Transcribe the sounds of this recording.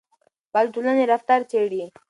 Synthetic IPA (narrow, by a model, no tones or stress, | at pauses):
bald̪ulaneɾaft̪aɾt͡ʃeɽi